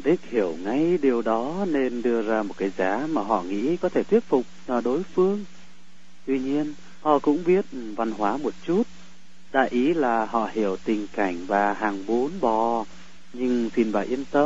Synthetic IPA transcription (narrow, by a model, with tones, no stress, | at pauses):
ɗi˦˥k̚hi˧˩əwŋa˧jɗi˨˩əwɗɔ˨˦ne˧nɗɨ˧əzaː˧mo˨˩t̚kaː˨˦jzaː˨˦maː˨˩ɦɔ̰˧˨ŋḭ˧˥kɔ˨˦t̪ʰe˧˩t̪wi˦˥ət̚fʊ˨˩k͡p̚ːɗo˨˦jfɨ˧əŋ | t̪wi˧ɲi˧ən | hɔ̰˧˨kʊ̰˧˥ŋ͡mɓi˦˥ət̚va˧nhwaː˨˦mo˨˩t̚t͡ɕu˦˥t̚ | ɗa̰ː˧˨jʔi˨˦laː˨˩hɔ̰˧˨hi˧˩əwt̪ï˨˩ŋ̟ka˧˩jŋ̟vaː˨˩ɦaː˨˩ŋɓo˨˦nɓɔ˨˩ | ɲɨ˧ŋsi˧˩nvaː˨˩ʔi˧əmt̪ə˧